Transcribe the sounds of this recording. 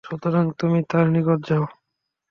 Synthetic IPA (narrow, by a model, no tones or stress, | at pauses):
ʃɔt̪oɾaŋt̪umit̪aɾnikoɾd͡ʑao